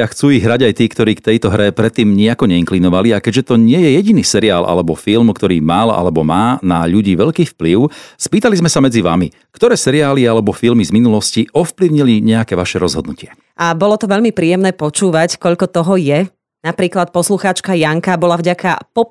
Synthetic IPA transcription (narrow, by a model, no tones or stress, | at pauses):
axt͡suːiɣɦɾaɟajt̪iːkt̪ɔɾiːkt̪ɛjt̪ɔɦɾɛpɾɛt̪ːiːmɲiakɔɲɛiŋklinɔʋaliakɛɟʒɛt̪ɔɲɪɛjɛjɛɟiniːsɛɾiaːlʔa̰lɛbɔfilmkt̪ɔɾḭːmala̰lɛbɔ̰maːnaʎuɟiːʋɛʎkiːfpliʊspiːt̪alizmɛsamɛd͡ziʋa̰mi | kt̪ɔɾɛːsɛɾiaːlialɛbɔfilmizminulɔsciɔfpliʊɲiliɲɛakɛːʋaʃɛɾɔzɦɔd̪nucɪɛ | ʔabɔlɔt̪ɔʋɛʎmipɾiːjɛmnɛːpɔt͡ʃuːʋackɔʎkɔt̪ɔɦɔjɛ | napɾiːklat̪̚pɔsluxaːt͡ʃkajaŋkabɔlavɟaka̰pɔ